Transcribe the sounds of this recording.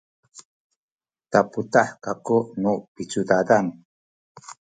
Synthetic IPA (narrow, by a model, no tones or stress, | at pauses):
taputaħkakuʔnupit͡sudadan